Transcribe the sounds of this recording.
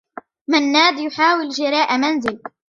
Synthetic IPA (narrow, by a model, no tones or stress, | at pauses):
manːaːd̪jʊħaːwɪld͡ʒɪɾˤɑːʔamanzɪl